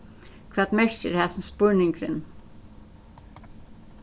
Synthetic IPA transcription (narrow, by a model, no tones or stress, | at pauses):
kʰvaːt̪mɛʂcɪɾhæːsnspʊɹnɪŋkɾɪn